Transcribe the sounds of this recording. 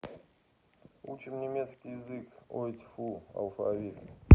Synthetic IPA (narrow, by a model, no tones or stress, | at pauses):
ut͡ɕɪmnʲɪmʲet̪skʲijɪzɨkot̪ʲfuɐ̰lˠfa̰vʲit̪